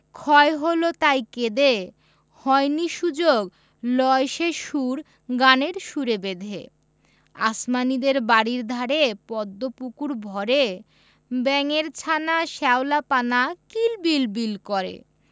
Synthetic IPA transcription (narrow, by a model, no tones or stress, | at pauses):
kʰɔeɦolot̪ajked̪e | hɔeniʃud͡ʑoɡ | lɔeʃeʃuɾ | ɡaneɾʃuɾebed̪ʱḛ | a̰smanid̪eɾbaɽiɾd̪ʱaɾepɔd̪ːopukuɾbʱɔɾe | bɛŋeɾt͡ɕʰanaʃɛolapanakilbilbilkɔɾḛ